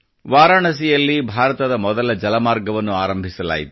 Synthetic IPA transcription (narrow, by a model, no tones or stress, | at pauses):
ʋaːɾaːɳɐs̬ijɐlːibʱaːɾɐt̪ɐd̪ɐmɔd̪ɐlɐd͡ʒɐlɐmaːɾɡɐʋɐnːuaːɾɐmbʱisɐla̰ːjit̪u